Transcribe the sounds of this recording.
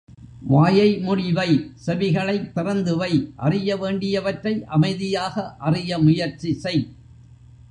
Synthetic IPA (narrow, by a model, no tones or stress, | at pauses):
ʋaːjɐɪmʊɽɪʋɐɪsɛʋɪɣɐɭɐɪt̪ːɪrɐnd̪ɯʋɐɪʔɐrɪjɐʋeːɳɖɪjɐʋɐʈɾɐɪʔɐmɐɪðɪjaːɣɐʔɐrɪjɐmʊjɐɾt͡ʃɪsɐɪ